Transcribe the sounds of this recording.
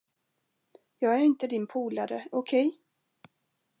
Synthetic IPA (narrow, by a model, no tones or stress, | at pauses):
jɑːɡæɾɪnt̪əd̪ɪnpʰuːlaɾə̰ɔkʰɛj